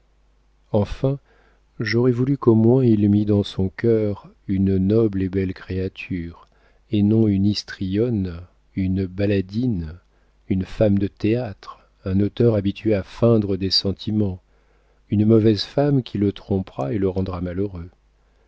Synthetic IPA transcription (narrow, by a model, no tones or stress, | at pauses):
ɑ̃fɛ̃ | ʒɔʁɛvulykomwɛ̃ilmid̪ɑ̃sɔ̃kʲœʁ | ynnɔblebɛlkχeat̪ʰyːʁ | enɔ̃ynist̪χijɔn | ynbalad̪in | ynfamd̪ət̪eat̪χ | ɛ̃not̪œʁabit̪ʰɥeafɛ̃d̪ʁəd̪esɑ̃t̪ʰimɑ̃ | ynmɔvɛzfamkʲʰilət̪χɔ̃pʁaeləʁɑ̃d̪ʁamaløʁø